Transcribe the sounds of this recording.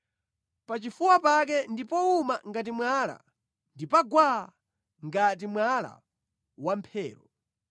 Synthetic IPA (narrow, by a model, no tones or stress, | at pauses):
pat͡ʃifuwapak̬ɛndipɔumaŋɡat̬imwala̰ | ndipaɡwaa | ŋɡat̬imwala̰ | wampʰɛːɾɔ